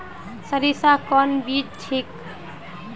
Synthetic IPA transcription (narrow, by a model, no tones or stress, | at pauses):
səɾisakɔnbid͡ʒʈʰik